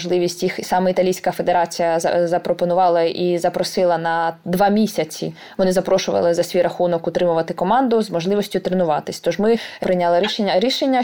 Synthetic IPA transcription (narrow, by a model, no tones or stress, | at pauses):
ʒlˠɪʋʲisʲtʲjixisɑmɛit̪ɐlʲijsʲkɐfe̞d̪eɾɑt͡sʲijɐ̰zɐpɾɔpɔnʊʋɑlˠɐizɐpɾɔsɪlˠɐnɐd̪ʋɑmʲisʲɐt͡sʲḭ | ʋɔnɪzɐpɾɔʃʊʋɐ̰lˠɪzɐsʲʋʲijrɾɐxunɔkʊt̪ɾɪmʊʋɐt̪ɪkɔmɑnd̪ʊzmɔʒlˠɪʋɔsʲtʲʊt̪ɾenʊʋɑt̪ɪsʲt̪ɔʒmɪpɾɪjnʲalˠɐɾʲiʃeɐɾʲiʃenʲːɐ